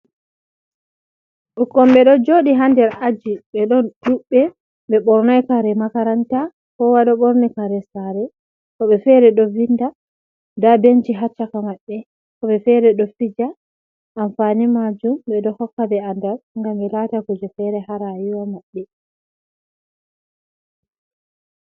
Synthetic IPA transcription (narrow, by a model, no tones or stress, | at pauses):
ʔukɔmɓɛɗɔd͡ʒoɗiɦandɛɾad͡ʒiɓɛɗɔnɗuɓːɛ | ɓɛɓɔɾnajkaɾɛmakaɾanta | kɔwaɗaɓɔɾnikaɾɛsaɾɛ | kɔɓɛfɛɾɛɗɔvinda | dabend͡ʒiɦat͡ʃːakamaɓːɛ | kɔɓɛfɛɾɛɗɔfid͡ʒa | ʔːmfanimad͡ʒumɓɛdɔhɔkːabɛandaɾŋɡamɓɛlatakud͡ʒɔfɛɾɛhaɾajwɔmaɓːɛ